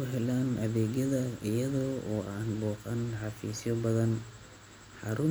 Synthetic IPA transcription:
ʊɦɛlaːnɐðɛːɡjɐðɐɪjɐðɔːɔːʔaːnbɔːqanħɑfḭːsjɔbɐðɐn | ħɑɾʊm

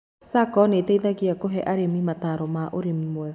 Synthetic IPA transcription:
sakɔneːtɛiðaɣiakoɦɛʔaɾemimataɾɔmaʔoɾemimwɛ

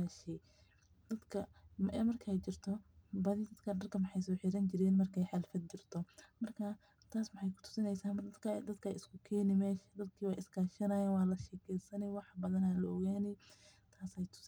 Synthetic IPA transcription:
aʃɛ | d̪̥ɐd̪kʰɐmʔɛmɐrkʰɐɛjt͡ʃɪrt̪ʰɔbɐðid̪ɐd̪kʰɐɖɐrkʰɐmɑħɑjsɔːħɪɾɐnt͡ʃɪɾɛːnmɐrkʰɛjħɑlfɐd̪̚t͡ʃɪrt̪ʰɔmɐrkʰɐ | t̪ʰaːsmɑħɑjkʰʊ̥t̪ʰʊ̥sɪnɛjsaːmd̪ɐkʰɐd̪ɐd̪kʰɐɪskʰʊkʰɛːnɪmɛːʃɐd̪ɐd̪kʰiːwɑːʔɪskʰaːʃɐnɐjaːnwɑːlɐʃɛːkʰɛjsɐnɛwɑħbɐðɐnalɐɔɣaːnɛ | t̪ʰaːsɛjt̪ʰʊ̥s

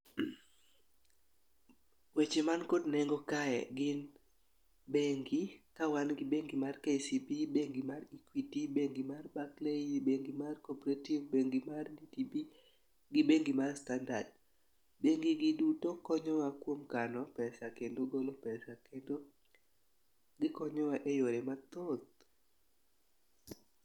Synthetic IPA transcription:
wet͡ʃemankodnɛŋɡɔkaɛ̰ɡɪn | beŋɡikawanɡɪbeŋɡimarkesipibeŋɡimarikwitibeŋɡimarbakleibeŋɡimarkɔpɾativbeŋɡimarditibi | ɡɪbeŋɡimarstandad | beŋɡiɡɪdutokɔɲɔwakwomkanɔpɛsakendoɡolopɛsakendo | ɡɪkɔɲɔwaʔejoɾɛmat̪ot̪̚

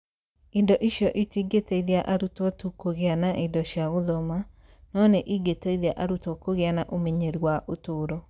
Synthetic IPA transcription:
indɔʔiʃjɔʔitiːɡeteiðeaʔaɾutɔtukoɣeanaʔindɔɕjaɣoðɔma | nɔnɛʔiɡeteiðeaʔaɾutokoɣeanaʔomeɲeɾiwaʔotoːɾɔ

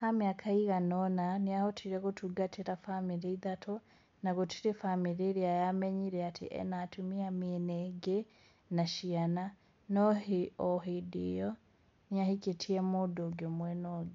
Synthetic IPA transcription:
hamjakʰaiɣanonaniahotʰiɾekutuɡatʰiɾafamiɾiiðatʰo | naɣotʰiɾifamiɾiɾiajameɲiɾɛatʰḭʔɛ̰natʰumiamineɡe | naʃiana | nohioɦidḭjo | niahikitʰiemudoɡomwenoɡi

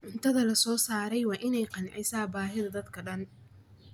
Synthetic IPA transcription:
ʕʊnt̪ʰɐðɐlɐsɔːsaːɾɛjwɑːʔɪnɛjqɑnʕɪjsaːbaːɦɪðɐd̪ɐd̪kʰɐɖɐn

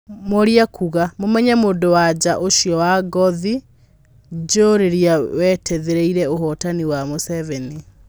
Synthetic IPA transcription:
moɾiakʰuɣamomɛɲamoːndowad͡ʑaʔoʃiɔwaɡɔði | d͡ʑoɾeɾiawɛtʰɛðeɾeiɾɛoɦɔtaniwamosɛvɛni

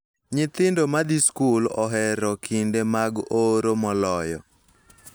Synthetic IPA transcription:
ɲɪt̪ɪndomad̪iskulɔ̰ɦɛɾɔkʰindemaɡoɾomɔlɔjɔ̰

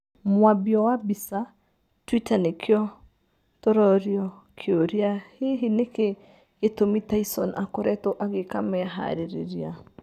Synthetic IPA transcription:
mwabjɔwabisa | twitanekʰjɔ | tɔɾɔɾjɔkʰeoɾiaheɦineke | etomitaisɔnʔakoɾɛtoʔaɣekamɛaɦa̰ɾeɾḛɾia

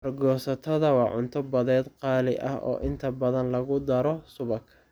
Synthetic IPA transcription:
ɐrɡɔːsɐt̪ʰɐðɐwɑːʕʊnt̪ʰɐbɐðɛːd̪qɑːlɪʔɐ̰hʔɔ̰ːʔɪnt̪ʰɐbɐðɐnlɐɣʊd̪ɐɾɔsʊβɐkʰɐ

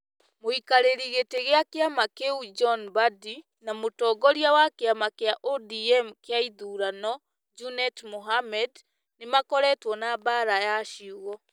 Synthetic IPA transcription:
moikaɾeɾiɣeteɣeakeamakeud͡ʒɔnbadi | namotɔːɡɔɾiawakeamakeaʔɔdiɛmkeaiðuɾanɔ | d͡ʒunɛtmoɦamɛd | nemakɔɾɛtwɔnabaːɾajaʃiuɣɔ

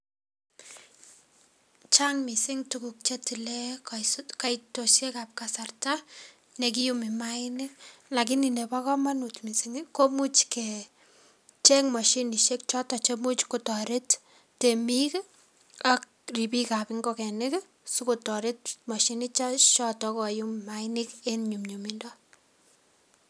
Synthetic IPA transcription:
t͡ʃaŋmisɪŋtukuk̚t͡ʃetilekakaitoʃekap̚kasarta | nek̬ijumimaɪnɪlakɪninepakɔmanutmisiŋkomut͡ʃkɛ | t͡ʃɛŋmɔʃiniʃek̚t͡ʃɔtɔt͡ʃemut͡ʃkutɔɾɪtː | emik | ak̚ | ripikapɪŋɡokɛnɪk | sukotɔɾɪt̚maʃinɪt͡ʃaʃɔtɔkojummaɪnɪkenɲumɲumindɔ

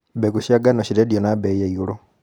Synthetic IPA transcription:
bekuʃaɡanoɕiɾedjonabejeiulo

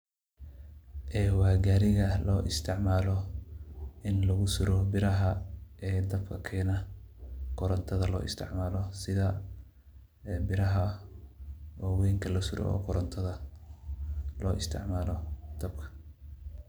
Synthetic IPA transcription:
ʔɛːwɑːɡaːɾɪɣɐlɔːʔɪst̪ʰɪʕmaːlɔ | ʔɪnlɐɣʊsʊɾɔbɪɾɐɦɐʔɛːd̪ɐbkʰɐkʰɛːnɐ | kʰʊɾɐnt̪ʰɐðɐlɔ̰ːʔɪ̰st̪ʰɪ̰ʕmaːlɔsɪðɐ | bɪɾɐɦɐ | ɔːwɛːŋkʰɐlɐsʊɾɔ̰ɔ̰ːkʰʊɾɐnt̪ʰɐðɐ | lɔːʔɪst̪ʰɪ̰ʕmaːlɔd̪̥ɐb̚kʰɐ̥

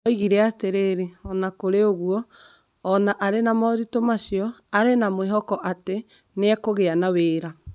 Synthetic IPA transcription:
ɔiɣiɾɛateɾeːɾeɔnakoɾeoɣwɔː | naʔaɾenamɔɾitomasjɔaɾenamweɦɔkɔʔate | neakoɣeanaweːɾa

